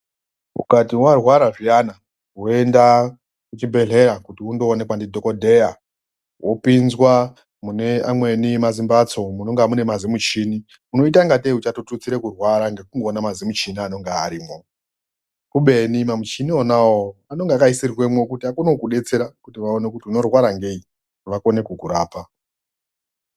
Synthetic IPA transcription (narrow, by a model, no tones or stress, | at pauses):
ṵkatiwarwaɾaʐiana | oenda | kut͡ʃimbe̞ɮe̞ɾakutiundo̞ːne̞kwandidʱo̞ko̞dʱe̞ja | wʔo̞pinzwa | mune̞amwe̞nimazimbat͡so̞muno̞ŋɡamune̞mazimut͡ʃini | uno̞it̬aŋɡateut͡ʃatotut͡siɾekurwaɾaŋɡe̞kuŋɡo̞ːnamazimut͡ʃiniano̞ŋɡea̰ɾiːmo̞ | kuɓe̞nimamut͡ʃinionawoano̞ŋɡeakaisirwemwokutiakunokuɗe̞t͡se̞ɾakutiʋaone̞kutiuno̞rwaɾaŋɡei | ʋako̞ne̞kukuɾaːpa